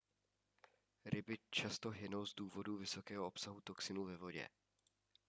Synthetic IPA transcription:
ɾɪbɪt͡ʃast̪o̞ɦɪno̞wzduːvo̞duvɪso̞kɛːɦoʔo̞psaɦut̪o̞ksɪnuvɛvo̞ɟɛ̰

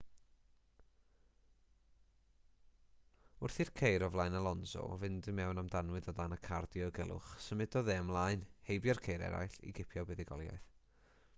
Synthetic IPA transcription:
ʊrθirkʰejɾɔvlˠajnalˠɔnsɔ̰vɨndɪmɛwnamdanwɨðɔdanəkʰardjɔɡɛlˠʊ̰χsəmɨdɔðɛəmlˠaɨnhejbjɔrkʰejɾɛ̰ɾa̰jɬḭɡɪpʰjɔbɛðɪɡɔlˠja̰ɨθ

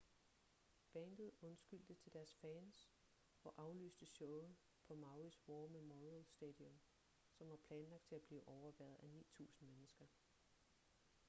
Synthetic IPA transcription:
b̥ænd̥ð̩ˠɔ̽nsɡ̥yl̰d̥ət͡sʰe̝ld̥æɐsfɛːns | ɒ̽ʔɑ̈ʊly̰ːsd̥əɕɔʊð̩ˠ | pʰɒ̽mɑ̈ʊʁisʋɔːmemɒolsd̥ɛd̥iɔ̽m | sɒ̽mʋɑ̈pʰlɛːnlɑɡ̥̚d̥̚t͡sʰe̝æb̥liːʔɒʊɐʋæɐð̩ˠænḭːt͡sʰṵːsn̩menəsɡ̥ɐ

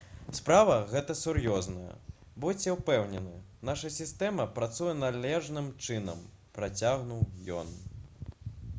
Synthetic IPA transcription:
spɾavɐɣɛt̪ɐsurjɔznɐjɐ̰bɔt͡sʲɛwpɛwnʲɛnɨnaʂɐsʲist̪ɛmɐpɾat̪sujɛnalʲɛʐnɨmt͡ʂɨnɐ̰m | pɾat͡sʲaɣnuwjɔ̰n

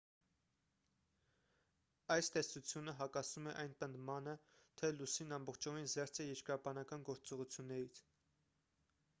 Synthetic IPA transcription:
ɑjst̪ɛsut͡sʰjunəɦɑkɑsumɛʔɑjnpənd̪mɑnət̪ʰɛlusinɑmbɔχt͡ʃʰɔvinzɛɾt͡sʰɛjɛɾkɾɑbɑnɑkɑnɡɔɾt͡sɔʁut͡sʰjunːɛɾit͡sʰ

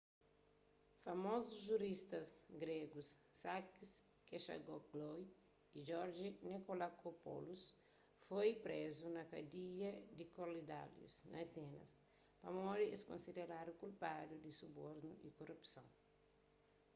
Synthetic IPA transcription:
fɐmozuzʒuɾist̪ɐsɡɾeɡusːakiskeʃa̰ɡokɡloj | id͡ʒɔɾd͡ʒinekolakopo̰lus | fojpɾezunɐkɐd̪iʎɐd̪ikolid̪a̰ljṵsnɐ̰t̪ɛnɐ̰s | pɐmɔɾieskõ̰nsid̪eɾadukulpadud̪isuboɾnuʔikorupsɐ̃w̃

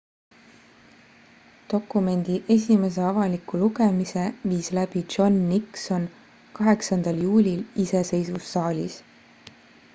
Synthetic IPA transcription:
t̪o̞kːume̞nd̪̥iʔe̞sʲime̞s̬e̞ɑvɑlikuluɡe̞mise̞viːslæb̥i̥ʒ̥o̞nːikso̞n | kɑɦe̞ksɑnd̪̥ɑljuːlʲilise̞se̞jsusːɑːlʲḭs

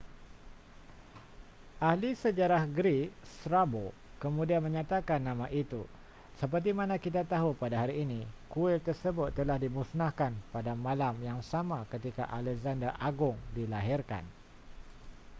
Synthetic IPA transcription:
ʔahlisəd͡ʒaɾahɡɾiksɾabokəmũdianmə̃ɲat̪akanːãmãʔit̪ṵ | səp̬ərt̪̬imãnãkit̪at̪aɦupadaɦaɾiːnĩkuɪlt̪ərsəbʊt̪ːəlahdimusnahkanpadamãlamjaŋsamãkət̪ika̰ʔalɛkzandəʔaɡʊŋdilaɦirka̰n

